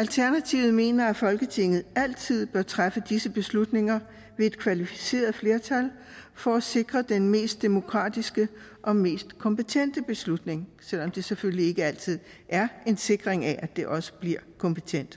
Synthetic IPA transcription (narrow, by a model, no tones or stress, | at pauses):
ælt͡sʰæɐnæt͡sʰiʊð̩ˠme̝̰ːnɐæfɒ̽lɡ̥ət͡sʰe̝ŋ̰ð̩ˠæl̰t͡sʰið̞̰ˠb̥ɶɐt͡sʰʁafəd̥isəb̥e̝slud̥ne̝ŋɐ | ʋe̝e̝d̥̚kʰʋælifi̥se̝̰ːɐð̞̩ˠfle̝ɐt͡sʰæl | fɒ̽æse̝ɡ̥ʁɐd̥enme̝̰ːsd̥ːe̝mo̝kʰʁɑ̈ːd̥isɡ̥ə | ʔɒ̽me̝̰ːsd̥kʰɒ̽mpet͡sʰen̰d̥əb̥e̝slud̥ne̝ŋsel̰ɒ̽md̥e̝seføllie̝ɡ̥əæl̰t͡sʰið̰ˠ | ʔæɐe̝nse̝ɡ̥ʁeŋæʔæd̥e̝ʔɒ̽sə̥b̥liɐ̰kʰɒ̽mpʰet͡sʰen̰d̥